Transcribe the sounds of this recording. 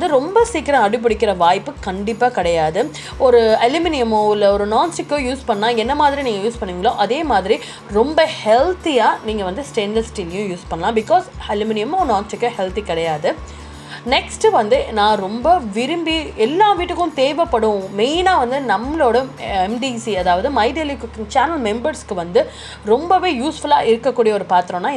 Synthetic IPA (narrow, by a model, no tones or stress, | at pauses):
d̪ɯɾɔmbɐsiːkːɪɾɐ̃ɐɽɪp̬ːɪɽɪkːɪɾɐʋaːjpːɯkɐɳɖɪpːaːkɪɽɐjaːðɯ | ɔɾɯɐljʊmɪnɪjɐmõɪlːɐɔɾɯnaːnsʈɪkːʊ̃juːspɐɳɐlãːɛnːɐmaːðɪɾiniːŋɡɐjuːspɐɳːɯʋɪŋɡɐɭõːʔɐðeːmaːðɪɾi | ɾɔmbɐhɛlt̪ijaːniːŋɡɐʋɐnd̪ɯsʈeːndɐlsʈiːlɪjʊ̃juːspɐɳːɐlãːbɪkɔːsɐlʊmɪnɪjɐmõnaːnsʈɪkːɐ̃hɛlt̪ikɪɽɐjaːðɯ | nɛksʈʋɐnd̪ɯnãːɾɔmbɐʋɪɾɯmbiɛlːãːʋiːʈːɯkːʊ̃t̪eːʋɐpːɐɽʊ̃meɪnaːʋɐnd̪ɯnɐmːɐloːɽɐɛmɖisiɐðaːʋɐðɯmɐɪɖelikːt͡ʃaːnɐlmɛmbɐɾskːɯʋɐnd̪ɯ | ɾɔmbɐʋeːjuːsfɐlaːʔɪɾɯkːɐkːuːɽijɐɔːɾɯpaːɾt̪ɯɾõːnːaː